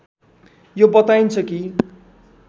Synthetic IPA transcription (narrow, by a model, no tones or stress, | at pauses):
jobʌt̪ajnt͡sʰʌki